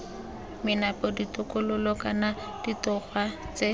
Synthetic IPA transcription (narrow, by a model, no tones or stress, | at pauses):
mɪnapɔditʊkʊlʊlɔkana | d̥itɔχwa | t͡se